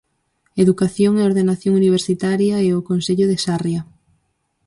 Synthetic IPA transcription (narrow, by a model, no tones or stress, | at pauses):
eðukaθjoŋeoɾðenaθjoŋuniβ̞eɾsit̪aɾjɐɛokonseʎoðesarjɐ